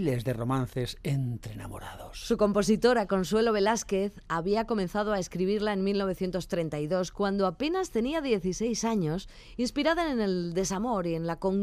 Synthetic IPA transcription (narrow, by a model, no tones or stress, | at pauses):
lezðero̞mãnθesent̪ɾena̰mo̰ɾaðossuko̞mpo̞s̬it̪o̞ɾako̞nswe̞lo̞βe̞laske̞θaβiako̞mẽ̞nθað̞oaeskɾiβ̞iɾlae̞nmilno̞β̞e̞θje̞nt̪o̞st̪ɾe̞nt̪ajðo̞skwand̪oape̞nast̪e̞niaðje̞θise̞jsaɲo̞s | inspiɾaðaene̞ld̪e̞samo̞ɾie̞nlakoŋ